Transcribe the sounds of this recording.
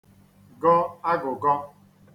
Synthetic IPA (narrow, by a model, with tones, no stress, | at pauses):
ɡɔ˦a˦ɡʊ˨ɡɔ˦